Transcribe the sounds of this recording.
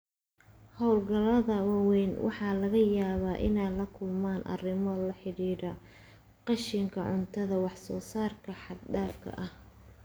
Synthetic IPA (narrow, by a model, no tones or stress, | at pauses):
hɔwlɡɐlɐðɐwɑwɛnwʔɑ̰ħɑːlɐɣɐjaːβaːʔɪ̰nɛjlɐkʰʊlmaːnʔɐ̰rɪmɔlɐħɪɽiːɾɐ | qɑʃɪŋkʰɐʕʊ̰nt̪ʰɐðɐwɑħsɔːsaːrkʰɐħɑd̪ɖaːfkʰɐ̰ʔɐh